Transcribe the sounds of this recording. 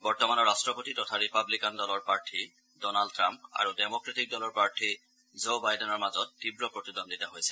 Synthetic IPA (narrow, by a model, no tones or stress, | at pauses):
bɔɹtɔmanɔɹastɹɔpotitɔtʰaɹipablikandɔlɔɹpaɹtʰi | dɔnaldtʰɹampa̰ɹudɛmɔkɹatik̚dɔlɔɹpaɹtʰi | zobajdɛnɔɹmazɔtːibɹɔpɹotidɔnditaɦojsɛ